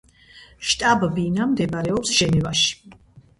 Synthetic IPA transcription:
ʃt̪ʼabbinamd̪ɛvɾɛɔpsʒ̥ɛnɛvaʃi̥

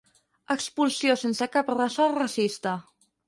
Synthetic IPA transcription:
əkspulˠsijosensəkaprasɔrasist̪ə

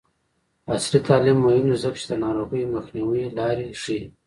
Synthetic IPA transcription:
aslit̪ɑːlɪmːohɪmd̪azəkt͡ʃi̥d̪ənɑɾoɣəjməxniwilɑɾiʂi

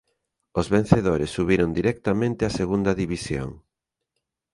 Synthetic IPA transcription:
ozβen̟θeðoɾesːuβiɾond̪iɾɛk̚t̪amẽnt̪ɪaseɣund̪ɐðiβisjo̰ŋ

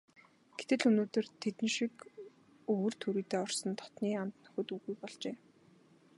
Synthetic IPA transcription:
ɡ̥et̪ɘ̆ɮɵnoːt̪ɵ̆rt̪ʰet̪ɘ̆nʃik | ɵwɵ̆r̥t̪ʰuɾiːt̪eːɔrsɞ̆nt̪ʰɔ̥t̪niːamt̪nɵ̥̆xɵ̆t̪uɣujpɔɮt͡ɕeː

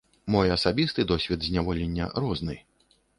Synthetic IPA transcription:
mɔjɐsabʲist̪ɨd̪ɔsʲvʲɛd̪zʲnʲavɔlʲenʲːɐ̰ɾɔznɨ

